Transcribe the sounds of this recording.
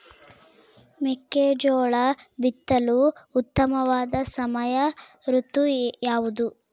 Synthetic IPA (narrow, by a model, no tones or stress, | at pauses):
mɛkːeːd͡ʒoːɭɐbit̪ːɐluːt̪ːɐmɐʋaːd̪ɐsɐmɐjɐ | ɾut̪ːujaːʋud̪u